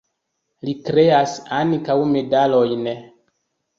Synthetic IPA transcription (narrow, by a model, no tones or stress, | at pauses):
likɾe̞asaŋkawme̞dalo̞jn